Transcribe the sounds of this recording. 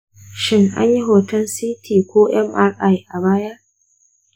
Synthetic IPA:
ʃɪ˦ŋʔa̰˦ɲji˦ɦoː˨tɐ˦nsiː˦tʰiː˨kʷoː˦ʔɛ˦mʔa˦ɾʔa˦jʔa˨baː˦ja˦

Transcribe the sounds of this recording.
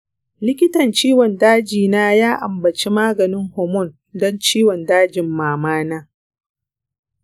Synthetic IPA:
lɪ˦kʲɪ˦tɐ˨nt͡ʃiː˦wɔ˨ndaː˦d͡ʒiː˨naː˦jaː˦ʔa˨mbɐ˨t͡ʃi˦maː˦ɡɐ˨nɪ˦ŋhɔː˨mɔ˦˨n | dɔ˦nt͡ʃiː˦wɔ˨ndaː˦d͡ʒɪ˨mːaː˨maː˦naː˦

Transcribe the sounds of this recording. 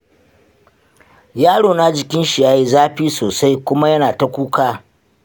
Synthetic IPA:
jaː˦ɽoː˨na˦d͡ʒɪ˨kʲɪ˦nʃi˨ja˦ji˦zaː˦ɸiː˦soː˨sa˦jkʷʊ˦ma˦jɐ˦naː˨ta˦kʷuː˦kaː˦

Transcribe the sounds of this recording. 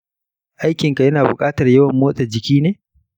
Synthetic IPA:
ʔa˦jkʲɪ˨ŋka˨jɐ˦naː˨bʊ˨kʼaː˦tɐ˨rjɐ˦wɐ˨mːoː˦sʼa˨d͡ʒɪ˨kʲiː˦neː˦

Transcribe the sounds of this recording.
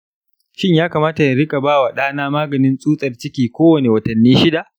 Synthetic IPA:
ʃɪ˦ɲjaː˦kaː˨maː˦ta˨ja˨ɾɪ˦kʼa˨baː˦wa˨ɗaː˦naː˦maː˦ɡɐ˨nɪ˦nsʼuː˦sʼɐ˨rt͡ʃɪ˦kʲiː˨kʷoː˦wɐ˨ne˨wɐ˨tɐ˨nːiː˦ʃɪ˦da˨ʔ

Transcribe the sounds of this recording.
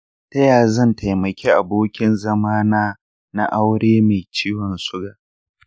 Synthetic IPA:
tɐ˦jaː˨zɐ˦˨nta˨jmɐ˨kʲeː˦ʔa˨boː˦kʲɪ˦nzɐ˦maː˦naː˦ | na˦ʔa˦wɽeː˦ma˨t͡ʃiː˦wɔ˨nsʊ˦ɡaː˨

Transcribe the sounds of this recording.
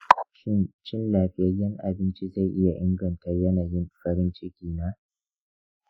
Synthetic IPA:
ʃɪ˦nt͡ʃɪ˦nlaː˨ɸɪ˨˦jɐ˦rjɐ˦ŋʔa˨bɪ˦nt͡ʃi˦za˦˨jʔɪ˦ja˨ʔɪ˦ŋɡɐ˨ntɐ˦rjɐ˦naː˨jɪ˦nɸɐ˦ɾɪ˦nt͡ʃɪ˦kʲiː˨naː˦

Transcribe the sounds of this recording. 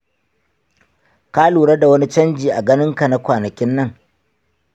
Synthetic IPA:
kaː˦luː˨ɽɐ˦da˨wɐ˦ni˦t͡ʃɐ˦nd͡ʒiː˨ʔa˨ɡɐ˦nɪ˦ŋka˨na˦kʷaː˨nɐ˨kʲɪ˦nːɐ˦˨ŋ

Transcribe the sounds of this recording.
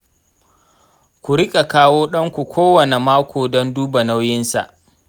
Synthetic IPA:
kʷu˨ɾɪ˦kʼa˨kaː˦woː˦ɗɐ˦ŋkʷu˨kʷʰoː˦wɐ˨ne˨maː˦kʷoː˨dɔ˦nduː˦ba˨na˦wjɪ˦nsa̰˨ʔ

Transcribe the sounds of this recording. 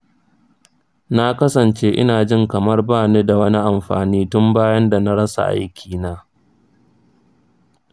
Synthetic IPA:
na˦kɐ˦sɐ˨nt͡ʃeː˦ʔɪ̰˦naː˨d͡ʒɪ˦ŋkɐ˨mɐ˦rbaː˦˨neː˦da˨wɐ˦ni˦ʔa˨mɸa̰ː˨niː˦tʊ˦mbaː˦jɐ˦nda˨na˦ɽɐ˦sa̰˨ʔa̰˦jkʲʰiː˨naː˦

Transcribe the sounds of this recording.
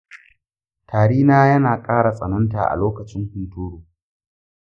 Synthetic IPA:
tʰaː˨ɽiː˦naː˦jɐ˦naː˨kʼaː˦ɽa˨sʼɐ̰˨nɔ˦nta̰˨ʔa̰˨loː˦kɐ˨t͡ʃɪ˦ŋhʊ˨ntuː˦ɽuː˨

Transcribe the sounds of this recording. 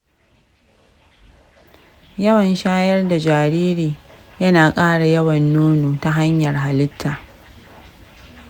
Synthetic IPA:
jɐ˦wɐ˨nʃaː˦jɐ˦rda˨d͡ʒaː˨ɾiː˦ɾiː˨ | jɐ˦naː˨kʼaː˦ɽa˨jɐ˦wɐ˨nːoː˦noː˨ta˦ɦa˦ɲjɐ˨rɦa˨lɪ˦tʰːaː˨ʔ

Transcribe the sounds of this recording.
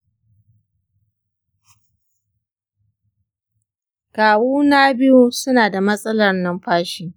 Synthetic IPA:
kaː˨wuː˦naː˦bɪ˦ju˦sʊ˦naː˨da˨mɐ˦sʼɐ˦lɐ˦rnɐ˦mɸaː˦ʃɪ˦ŋ

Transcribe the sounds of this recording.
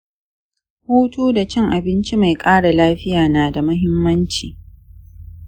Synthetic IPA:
huː˦tuː˦da˨t͡ʃɛ˦˨ŋʔa˨bɪ˦nt͡ʃi˦ma˨jkʼaː˦ɽa˨laː˦ɸɪ˦jaː˨naː˨da˨mʊ˦ɦɪ˦mːɐ˦nt͡ʃiː˨

